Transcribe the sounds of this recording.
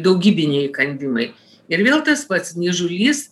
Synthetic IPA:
d̪ɐʊɡʲiːbʲɪnʲeɛjkɐnʲd̪ʲɪmɐɪ | ɪɾʋʲeːlˠt̪ɐspɐt̪snʲiʒʊlʲiːs

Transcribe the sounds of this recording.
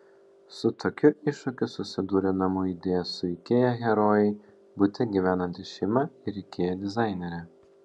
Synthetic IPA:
sʊt̪ʰoːkʲʊʔɪʃʊkʲʊsʊsʲɪd̪uːɾʲɛnɐmʊid̪ʲeːjɛsʊɪkʲeːjɛɣʲɛɾoːjɛɪ | bʊt̪ʲɛɡʲiʋʲæːnɐnʲt̪ʲɪʃʲɛɪmɐɪɾʲɛɪkʲeːjɛd̪ʲɪzɑˑɪnʲɛɾʲɛ

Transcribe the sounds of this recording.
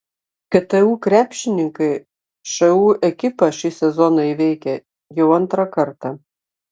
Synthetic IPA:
kʲɛt̪ɛuːkɾʲæːpʲʃʲɪnʲɪŋkɐɪ | ʃɐuːɛkʲɪpɐʃʲɪsʲɛzɔnɐiʋʲɛɪkʲɛ | jɛʊɐnt̪ɾɐkɐɾt̪ɑ

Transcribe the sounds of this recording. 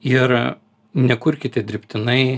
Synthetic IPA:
ɪɾ | nʲɛkʊɾʲkʲɪt̪ʲɪɛd̪ʲɾʲɪpʲt̪ʲɪnɐɪ

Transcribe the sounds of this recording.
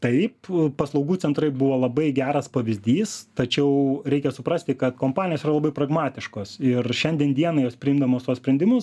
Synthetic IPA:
t̪ɐɪppɐslˠɐʊɡuːt͡sʲɛnt̪ɾɐɪbʊʋoːlˠɐbɐɪɡʲæːɾɐspɐʋʲɪzʲd̪ʲiːst̪ɐt͡ʃʲɛʊɾʲɛɪkʲɛsʊpɾɐsʲt̪ʲɪkɐt̪koːmpɑːnʲɪjoːsirɐlˠɐbɐɪprɐɡmɑːt̪ʲɪʃkoːsɪrʃʲɛnʲd̪ʲiɛnd̪ʲiɛnɐjoːspʲɾʲɪimd̪ɐmoːst̪uɔsʲpʲɾʲɛnʲd̪ʲɪmʊs

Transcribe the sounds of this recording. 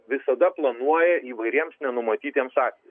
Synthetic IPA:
ʋʲɪsɐd̪ɐplˠɐnuɔjɛiːʋɐɪɾʲiɛmsnʲɛnʊmɐt̪ʲiːt̪ʲeɛmsɑːsʲe

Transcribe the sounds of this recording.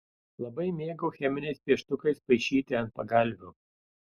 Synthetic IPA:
lˠɐbɐɪmʲeːɡʊxʲɛmʲɪnʲɛɪspʲiɛʃt̪ʊkɐɪspɐɪʃʲiːt̪ʲɪɐnt̪̚pɐɡɐlʲˑʋʲuː

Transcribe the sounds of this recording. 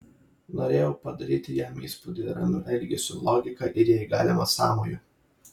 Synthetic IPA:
noːɾʲeːjɛʊpɐd̪ɐɾʲiːt̪ʲɪjɛmḭːspʊd̪ʲɪɾɐ̰nʊʔɪlʲɡʲɪsʲʊlˠɔːɡʲɪkɐʔɪɾjɛɪɡɑ̰ːlʲɪmɐsɑ̰ːmojʊ

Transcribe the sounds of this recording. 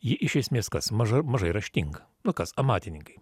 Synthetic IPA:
jɪʔɪʃʲɛsʲmʲeːskɐsmɐʒɐmɐʒɐɪɾɐʃʲt̪ʲɪŋɡɐ | nʊkɐsɐmɑːt̪ʲɪnʲɪŋkɐɪ

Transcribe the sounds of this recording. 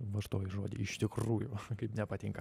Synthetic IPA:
ʋɐʃt̪oːjʒoːd̪ʲɪ̰ɪʃt̪ʲɪkruːjʊkɐɪpnʲɛpɐt̪ʲiŋkɐ

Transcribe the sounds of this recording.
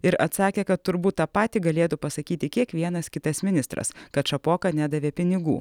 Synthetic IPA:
ɪɾɐt̪sɑːkʲeːkɐt̪t̪ːʊɾbuːt̪̚t̪ːɐpɑːt̪ʲiːɡɐlʲeːt̪upɐsɐkʲiːt̪ʲɪkʲiɛkʋʲiɛnɐskʲɪt̪ɐsmʲɪnʲɪst̪ɾɐ̰skɐt̪ʃɐpoːkɐnʲæːd̪ɐʋʲeːpʲɪnʲɪɡṵː

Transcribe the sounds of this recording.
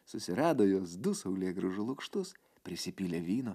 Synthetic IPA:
sʊsʲɪɾɑːd̪oːjoːsd̪ʊsɐʊlʲeːɡɾʊʒʊlˠʊkʃt̪ʊs | pʲɾʲɪsʲɪpʲilʲeːʋʲiːno

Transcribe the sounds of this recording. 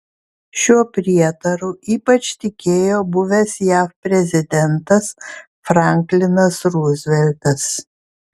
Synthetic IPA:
ʃʲuɔpʲɾʲiɛt̪ɐɾuiːpɐt͡ʃt̪ʲɪkʲeːjoːbʊʋʲɛsjæːfpʲɾʲɛzʲɪd̪ʲɛnt̪ɐs | fɾɑˑŋʲklʲɪnɐsɾuːzʲʋʲɛlʲt̪ɐs

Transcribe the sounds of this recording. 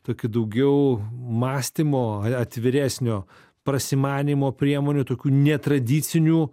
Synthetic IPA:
t̪oːkʲʊd̪ɐʊɡʲɛʊmɑːsʲt̪ʲiːmoːɐɐt̪ʲʋʲɪɾʲæːsʲnʲoː | pɾɐsʲimɑːnʲiːmoːpʲɾʲiɛmoːnʲuːt̪oːkʲuːnʲɛt̪ɾɐd̪ʲiːsʲɪnʲuː

